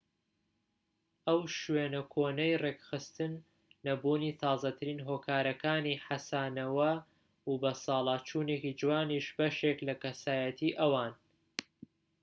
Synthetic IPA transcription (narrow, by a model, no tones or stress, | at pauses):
ʔɐwʃweːnɐkʰoːnɛjreːkxɨst̪ɨnː | ɐbuːniːt̪ʰɑːzɐt̪ʰɨɾiːnɦoːkʰaːɾɐkaːniħasaːnɐwɐ | ubɐsɑːlˠɑːt͡ʃʰuːneːkid͡ʒɨwaːniʃbɐʃeklɐkɐsaːjɐt̪ʰiːʔɐwaːn